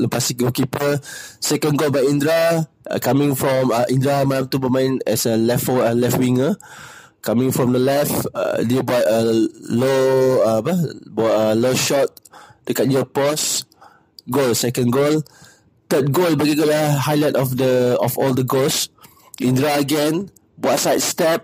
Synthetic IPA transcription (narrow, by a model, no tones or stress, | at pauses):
əpasik̚ɡolkipəsɛkə̃nɡolbajĩndɹa̰ | kamĩŋfɹɔ̃məʔĩndɹamadamt̪ubəmãə̃nɛ̰səlɛfəlɛfwĩŋə | kamĩŋfɹɔ̃mdəlɛfdebɔtəloapəbɔəloʃɔt̚tukat̚jəpɔs | ɡolsɛkə̃nɡol | t̪ət̚ɡolbaɡiɡoləhajlatɔfdəɔfɔldəɡols | ĩndɹaəɡɛ̃n | batsajt̚stɛp̚